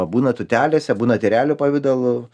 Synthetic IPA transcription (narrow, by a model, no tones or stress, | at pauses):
buːnɐt̪ʊt̪ʲæːlʲeːsʲɛbuːnɐt̪ʲɪɾʲæːlʲʊpɐʋʲɪd̪olˠʊ